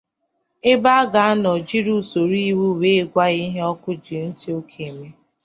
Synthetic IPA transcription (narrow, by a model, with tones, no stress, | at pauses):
e˦ba˦a˦ɡa˨a˦nɔ˨d͡ʒi˦ɾu˦˨so˨ɾi˦wu˦˨we˦˨ɡʷa˦i˦ɦe˦ɔ˦kʊ˦d͡ʒi˨n̩˦tɪ˦o˦kʰe˨me˦